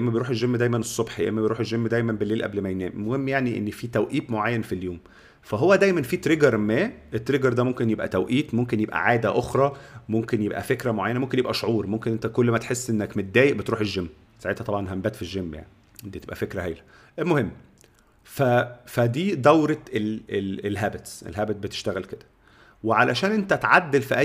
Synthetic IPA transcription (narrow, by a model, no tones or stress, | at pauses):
ʔemːæbejɾuːħelʒemːd̪æjmænesˤːobħjḛʔḛmːæbejɾuːħelʒemːd̪æjmænbelːeːlʔæ̰blmæjnæ̰ːmʔmohemːjaʕniʔḛnːfiːt̪æwʔiːt̪moʕajːænfiljoːm | fæɦowːæd̪æjmænfiːt̪ɾeɡɑɾˤmæːʔet̪ːɾeɡɑɾˤd̪æmomkenjebʔæ̰t̪æwʔiːt̪momkenjebʔæ̰ʕaːd̪æʔoxɾˤɑːmomkenjebʔæ̰fekɾæmoʕajænæmomkenjebʔæʃoʕuːɾˤmomkenʔent̪ækolːmæt̪ħesːʔenːækmæd̪æːjeʔbet̪ɾuːħelʒːemː | saʕet̪hæt̪ˤɑbʕɑnɦæmbæːt̪fiʒːemːja̰ʕni | d̪iːebʔæ̰fekɾæhæjlæ̥ | mohemː | fæfæd̪iːd̪æwɾeleelɦæːbet̪ʔḛlɦæːbæt̪̚bet̪e̥ʃt̪æɣælked̪æ̥ | weʕalæʃæːnʔent̪æt̪ʕad̪ːelfiʔæ